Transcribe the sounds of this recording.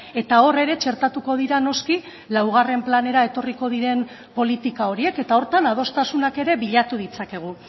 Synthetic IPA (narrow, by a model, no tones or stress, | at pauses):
e̞t̪ao̞re̞ɾe̞t͡ʃe̞ɾt̪at̪uko̞ð̞iɾano̞ski | lawɣ̞are̞mplane̞ɾae̞t̪o̞riko̞ðiɾe̞m | po̞lit̪ikao̞ɾie̞ke̞t̪ao̞ɾt̪anað̞o̞st̪asunake̞ɾe̞βiʎat̪uð̞it͡sake̞ɣ̞u